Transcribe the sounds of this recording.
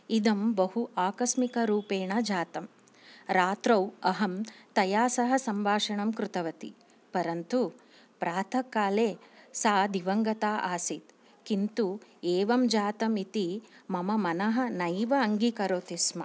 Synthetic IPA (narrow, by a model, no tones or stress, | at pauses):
id̪ɐmbɐɦuʔaːkɐsmikɐɾuːpeːɳɐd͡ʒaːt̪ɐm | ɾaːt̪ɾɐwɐɦɐmt̪ɐjaːsɐɦɐ̆sɐmʋʱaːʂɐɳɐmkɾut̪ɐʋɐt̪ḭ | pɐɾɐnt̪u | pɾaːt̪ʰɐkːaːleːsaːd̪iʋɐŋɡɐt̪aːʔaːsit̪ | kint̪ueːʋɐmd͡ʒaːt̪ɐmit̪imɐmɐmɐnɐɦɐ̆nɐjʋɐːŋɡikɐɾoːt̪ismɐ̰